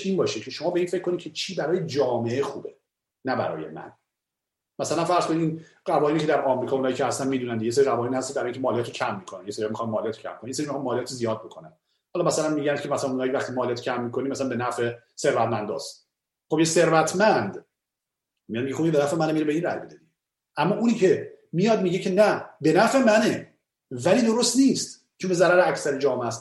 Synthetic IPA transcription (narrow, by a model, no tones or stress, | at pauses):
iːnbɒːʃecʰeʃo̞mɒːbeiːnfe̞cʰːonid̪cʰe̞t͡ʃʰiːbæɾɒːjed͡ʒɒːmeexṵːbe | næbæ̰ɾɒ̰ːje̞̰mæ̰n | mæsælænfæɾz̥kʰoniiːn | ɢævɒːhinicʰed̪æɾʔɒːmɾikɒːunhɒjiːcʰehæst̪ænmiːd̪unænd̪ejes̬eɾiɣævɒːiːnihæst̪id̪æɾɒːiŋkʰemɒːlijæt̪ʰocʰæmːiːkʰonænjeseɾiɒmixɑnmɒːlijæːt̪ʰo̥cʰæ̰mːikonjeseɾimiɑːnmɒːlijæːt̪ʰizijɒːd̪̚bokʰonæn | hɒlɒmæsælænmiːɟænd̪̥̚cʰemæsælænunɒːjivæxt̪imɒːliæt̪i̥cʰæmːiːkʰonimæsælænbe̞næfe̞ | se̞ɾvæt̪mænd̪ɒ̰st̪ | χobjese̞ɾvæt̪ʰmænd̪ | mijɒd̪miɟeoiebenæfemænemiːɾebeiːnɾæ̰jbed̪ed̪i | ʔæmːɒːʔuniːcʰe̞mijɒd̪miːɟecʰe̞næbe̞næfemæne | væliːd̪o̞ɾost̪niːst̪ | t͡ʃʰonbezæɾæɾeæcʰsæɾid͡ʒɒːmeæst̪